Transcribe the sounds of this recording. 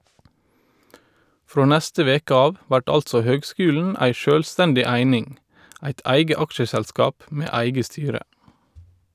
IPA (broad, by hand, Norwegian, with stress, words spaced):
ˈfɾoː ˈnæstə ˈʋeːkə ˈɑːʋ ˈʋæʈ ˈɑltsɔ ˈhøːɡˌskʉːln̩ ˈæɪ ˈʃøːlˌstɛndɪ ˈæɪnɪŋ ˈæɪt ˈæɪɡə ˈɑkʃəsælˌskɑːp ˈmeː ˈæɪɡə ˈstyːɾə